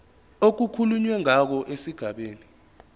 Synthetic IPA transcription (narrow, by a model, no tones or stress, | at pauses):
ok̬ukʰuluɲwɛŋak̬ɔʔesiɡ̥ʱaɓeːni